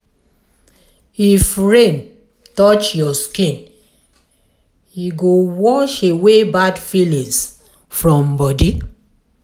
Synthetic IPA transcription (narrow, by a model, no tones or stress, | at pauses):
hifɹẽn | tɔt͡ʃjɔskĩn | hiɡowɔʃewebadfilĩs | fɹɔ̃mbɔdi